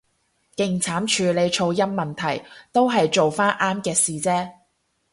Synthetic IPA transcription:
kɪ˧ŋt͡sʰaː˨˥mt͡ʃʰyː˨˧le˨˧jt͡ʃʰo˧wjɐ˥mːɐ˨nt̪ʰɐ˨˩jt̪o˥wɦɐ˨jt͡ʃo˨wfaː˥nʔaː˥mkɛː˧siː˨t͡sɛː˥

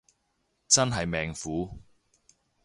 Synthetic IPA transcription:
t͡sɐ˥nɦɐ˨jmɛː˨ŋfuː˨˥

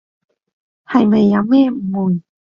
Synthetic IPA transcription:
ha˨˩jme˨˩jːa˨˥˦wɛ˥˨m̩˨˩mu˨˩n

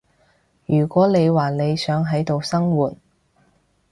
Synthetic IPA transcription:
jyː˨˩kʷɔː˨˥ne˨˧jwaː˨˩ne˨˧jsœː˨˥ŋɦɐ˨˥jt̪o˨wsɐ˥ŋwuː˨˩t̚

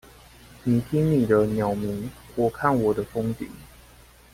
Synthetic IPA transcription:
ni˨˩t̪ʰi˦˥ŋni˨˩d̪ə˦njɑ˨˩ʊmi˨˦ŋwɔ˨˩kʰa˥˨nwɔ˨˩d̪ə˦fo˥˦ŋt͡ɕḭ˨˩˦ŋ

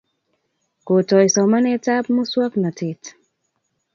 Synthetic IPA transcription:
ko˨tɔ˨ɪsɔ˨ma˦nɛ˦ta˦p̚mo˦swa˦kna˨tɪ˨t

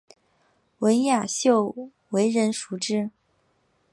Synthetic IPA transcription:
wə˧˥nja˨˩ɕjo˥˩ʊ | we˧˥ɪɻə˧˥nʂu˧˥ʈ͡ʂɻ̩˥

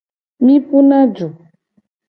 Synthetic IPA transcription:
mĩ˦pu˦nã˦d͡ʒu˨

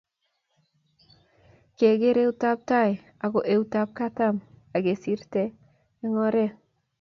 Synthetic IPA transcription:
ke˨ɡe˦ɾe˦u˦ta˦p̚ta˦j | a˨ko˨ʔe˦u˦ta˦p̚ka˦ta˦m | a˨ɡe˨si˦ɾteː˦ | ŋɔ˦ɾe˦

